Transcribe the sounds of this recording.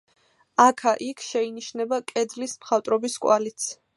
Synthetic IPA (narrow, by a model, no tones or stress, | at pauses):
akʰaʔikʰʃɛiniʃnɛbakʼɛd̪lismχat̪ʼɾɔbiskʼwalit̪sʰ